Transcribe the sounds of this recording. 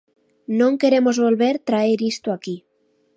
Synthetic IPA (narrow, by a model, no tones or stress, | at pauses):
nõŋkeɾemozβolβeɾt̪ɾaeɾist̪oaki